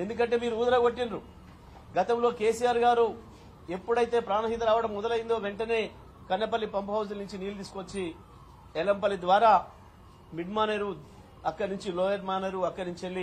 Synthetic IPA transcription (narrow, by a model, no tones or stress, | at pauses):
e̞nd̪uk̬ɐɳʈ̬eːmiːɾuuːd̪ɐɾɐɡoʈːinɾu | ɡɐt̪ɐmlo̞ːke̞ːsijaːɾɡaːɾu | e̞pːuɽɐjt̪e̞ːpɾaːnɐɦit̪ɐɾaːʋɐɽɐmːɔd̪ɐlɐjind̪o̞ːʋe̞ɳʈɐne̞ː | kɐnːɐpɐlːipɐmpɐɦɐwsɐlnuɲt͡ʃiniːlud̪iːsukʋɐt͡ʃːi | ɛlɐmpɐlːid̪ʋaːɾaː | miɖmaːneɾu | ɐkːɐɽnuɲt͡ʃiloːjeʈmaːneɾuɐkːɐɽnuɲt͡ʃelːi